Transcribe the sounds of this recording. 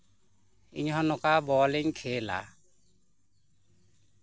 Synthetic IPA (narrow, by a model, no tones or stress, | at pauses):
ḭɲɦɔ̃nɔkabɔliɲkʰela̰